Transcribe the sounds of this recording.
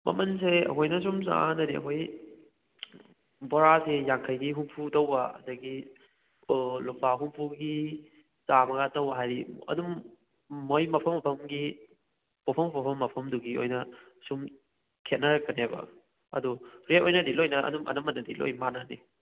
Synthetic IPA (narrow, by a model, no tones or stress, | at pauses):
mɐ̰mɐns̬eɐ̰kʰojnɐs̬umza̰nɐdiɐ̰kʰoj | bɔɾasejaŋkʰɐjɡiɦumpʰutɐwbɐɐ̰dɐɡi | lumbaɦumpʰuɡi | zamɐɡatɐwbɐɦajɾiɐ̰dumː | ojmɐpʰɐmːɐpʰɐmɡi | popʰɐmɐpʰɐpʰɐmːɐpʰɐmduɡio̰jnɐ | sum | kʰet̚nɐɾɐkːɐnebɐ̰ | ɐ̰duɾet̚ojnɐdilojnɐʔɐ̰dumɐ̰nɐmɐnːɐdilo̰jmanani